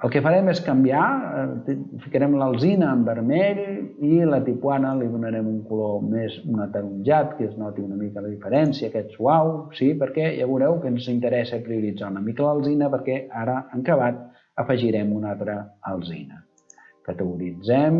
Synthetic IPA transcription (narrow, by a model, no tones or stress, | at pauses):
əlˠkəfəɾɛmeskəmbia | fikəɾɛmləlˠzinəːmbəɾmɛʎilət̪ipwanəliðunəɾɛmuŋkulomezunət̪əɾunʒat̪kəznɔt̪iunəmikələðifəɾɛnsiəːkɛt̪swawsipəɾkɛja̰βuɾɛwkənzint̪əɾɛsəpɾiuɾid͡zaunəmikələlˠzinəpəɾkɛaɾəəŋkəβat̪̚ | əfəʒiɾɛmunalt̪ɾəːlˠzḭnə | kət̪əɣuɾid͡zɛm